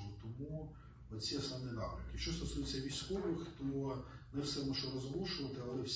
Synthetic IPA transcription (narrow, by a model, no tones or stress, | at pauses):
lˠɔt̪ɔmu | ɔt͡sʲiɐsnɔʋnɪnɑ̰pɾɪ̰kʲɪkʃt͡ʃːɔst̪ɔsujet͡sʲːɐʋʲijsʲkɔʋɪxt̪ɔ | nɛwsɛmɔʒɔɾɔzlˠuʃʊʋɐt̪ɪɐlˠɛwsʲ